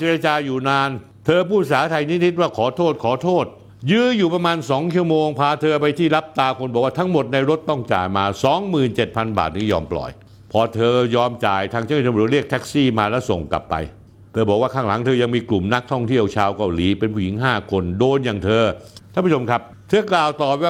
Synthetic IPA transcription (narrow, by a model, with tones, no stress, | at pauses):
t͡ɕe˧ɾa˧t͡ɕaː˧juː˨˩naː˧n | t̪ʰɤː˧pʰuː˥˩s̬aː˩˦t̪ʰa˧jni˦˥t̪ʰi˦˥t̪̚waː˥˩kʰɔː˩˦t̪ʰoː˥˩t̪̚kʰɔː˨˩˦t̪ʰoː˥˩t̪̚ | jɯː˦˥juː˨˩pɾa˧maː˧nsɔː˩˦ŋt͡ɕʰu˥˩moː˧ŋpʰaː˧t̪ʰɤː˧pa˧jt̪ʰiː˥˩la˦˥p̚t̪aː˧kʰo˧nbɔː˨˩k̚waː˥˩t̪ʰa˦˥ŋmo˨˩t̪̚na˧jɾo˦˥t̪ːɔ˥˩ŋt͡ɕa̰ː˨˩jmaː˧sɔː˩˦ŋmɯː˨˩nt͡ɕe˨˩t̪̚pʰa˧nba̰ː˨˩t̪̚niː˦˥˩jɔ̰ː˧mplɔ̰˨˩j | pʰɔː˧t̪ʰɤː˧jɔː˧mt͡ɕaː˨˩jt̪ʰaː˧ŋt͡ɕːʰɾi˥˩ək̚t̪ʰɛ˦˥k̚siː˥˩maː˧lɛː˦˥wso˨˩ŋka̰˨˩pːa̰˧j | t̪ʰɤː˧bɔː˨˩kwaː˥˩kʰaː˧˩ŋla˩˦ŋt̪ʰɤː˧ja˧ŋmiː˧klu˨˩mna˦˥k̚t̪ʰɔ˥˩ŋt̪ʰi˥˩əwt͡ɕʰaː˧wka˧˩wliː˩˦pe˧npʰuː˥˩ji˩˦ŋɦaː˥˩kʰo˧ndoː˧njaː˨˩ŋt̪ʰɤː˧t̪ʰa˥˩pʰu˥˩t͡ɕʰo˧mkʰa˦˥p̚t̪ʰɤː˧klaː˨˩wt̪ɔː˨˩p̚waː˥˩